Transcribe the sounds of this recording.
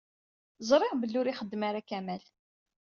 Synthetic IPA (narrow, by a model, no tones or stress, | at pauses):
zˤɾˤɪʁbəlːʊɾiχəd̪ːmaɾakæmæl